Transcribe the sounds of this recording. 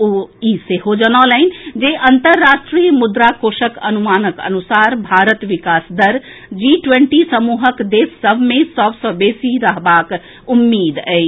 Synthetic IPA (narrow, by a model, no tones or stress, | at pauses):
uiseɦod͡ʒənaːlɛɪnd͡ʒeʔɐnt̪əɾːaʃʈɾijmʊd̪ɾakoːʃəkɐnumaːnəkə̰nusaːɾbʱaːɾət̪ʋikaːsd̪əɾ | d͡ʒiʈwẽɳʈisəmuːɦəkd̪eːsːəbʱmẽsɔbsɔbeːsiɾəɦbaːk | umːiːd̪ɛ